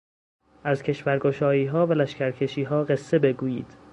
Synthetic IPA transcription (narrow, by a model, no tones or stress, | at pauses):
ʔæzcʲʰe̞ʃvæɾɡoʃɒːjiːɦɒːvælæʃcæɾcʰe̞ʃiːɦɒːɢe̞sːe̞be̞ɡuːjḭːd̪̥